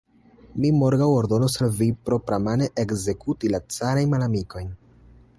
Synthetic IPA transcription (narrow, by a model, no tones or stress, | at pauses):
mimo̞ɾɡawo̞ɾdo̞nosalvipɾo̞pɾamaneʔekze̞kutilat͡saɾajnmalamiko̞jn